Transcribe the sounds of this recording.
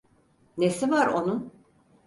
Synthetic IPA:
nesivaɾonun

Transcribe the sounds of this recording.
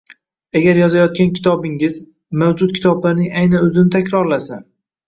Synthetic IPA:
aɡʲaɾjɒzajɒt̪̚kʲankʲʰɪ̥t̪ʰɒbɪŋɪz | mawd͡ʒʊt̪̚kʲʰɪ̥t̪ʰɒblaɾnɪŋajnanɵzɪnɪt̪ʰakʲɾɒɾlasan

